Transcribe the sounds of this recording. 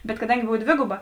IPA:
bʲɛt kɐˈdɐŋʲɡʲɪ ˈboːw ˈdʲʋʲeːɡʊbɐ

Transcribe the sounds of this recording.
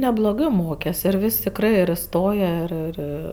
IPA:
nʲɛblˠoːˈɡɜ ˈmoːkʲɛs ɪr ˈʋʲɪsʲ tʲɪkˈrɜ ɪr ɪˈstoːjɛ ˈɪr ˈɪr

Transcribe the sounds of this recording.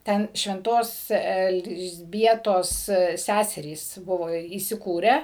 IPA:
ˈtʲɛn ʃʲʋʲɛnˈtoːs ɛlʲzʲˈbʲiɛtoːs ˈsʲæsʲɛrʲiːs ˈbʊʋoː iːsʲɪˈkuːrʲæː

